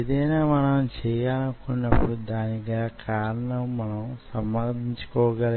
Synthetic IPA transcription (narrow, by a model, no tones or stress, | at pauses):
ed̪ɐjnaːmɐnɐmt͡ʃɛːjaːnɐkunːɐpːuɽud̪aːniɡakʰaːɾɐɳɐmːɐnɐmsɐmbɐnd̪ʱiɲt͡ʃu̥kɔːɐɡɐl